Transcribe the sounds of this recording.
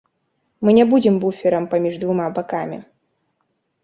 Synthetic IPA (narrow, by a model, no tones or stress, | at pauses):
mɨnʲɛbud͡zʲɪmbufʲɛɾɐmpɐmʲiʐd̪vumabakamʲḭ